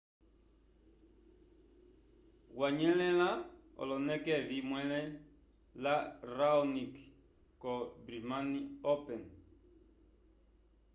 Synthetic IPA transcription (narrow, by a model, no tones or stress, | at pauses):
ɣwaɲɛlɛlaɔ̰lɔnɛkɛβimwɛlɛ | laraɔnik | kɔbɾimaniɔpɛn